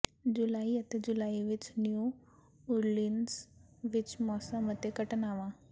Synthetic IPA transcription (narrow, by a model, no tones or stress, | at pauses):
d͡ʑulaiət̪ed͡ʑulaiʋit͡ɕnju | uɾlins | ʋit͡ɕmɔsaməd̪ʱjekəʈnaʋã